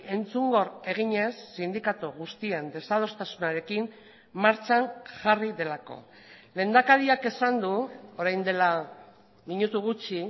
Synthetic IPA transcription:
e̞nt͡suŋɡo̞re̞ɣ̞iɲe̞sːind̪ikat̪uɣ̞ust̪iend̪e̞sað̞o̞st̪asunaɾe̞kim | maɾt͡ʃaŋʝariðe̞lako̞̰ | le̞ːnd̪akaɾiake̞sand̪uo̞ɾajnd̪e̞la | miɲut̪uɣ̞ut͡ʃi

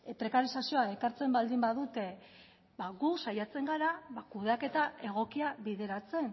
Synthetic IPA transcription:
pɾe̞kaɾisasio̞ae̞kaɾt͡se̞mbald̪imbaðut̪e̞ | baɣusajat͡se̞ŋɡaɾaβakuð̞eake̞t̪ae̞ɣ̞o̞kiaβiðe̞ɾat͡se̞n

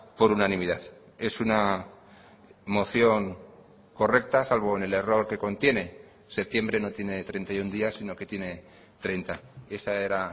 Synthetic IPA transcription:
po̞ɾunanĩmið̞aθ | e̞suna | mo̞θjo̞ŋ | ko̞re̞k̚t̪asalβ̞o̞ene̞le̞ro̞ɾke̞ko̞nt̪je̞ne̞ | se̞p̚t̪je̞mbɾe̞no̞t̪je̞ne̞t̪ɾe̞nt̪ajund̪iasːino̞ke̞t̪je̞ne̞ | t̪ɾejnt̪ae̞sae̞ɾa

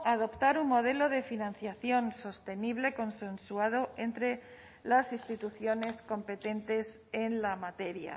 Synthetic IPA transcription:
aðo̞pt̪aɾunmo̞ð̞e̞lo̞ð̞e̞finãn̟θjaθjo̞nso̞st̪e̞niβ̞le̞ko̞nse̞nsuað̞o̞e̞nt̪ɾe̞ | lasist̪it̪uθjo̞ne̞sko̞mpe̞t̪e̞nt̪e̞s | e̞nlamat̪e̞ɾja̰

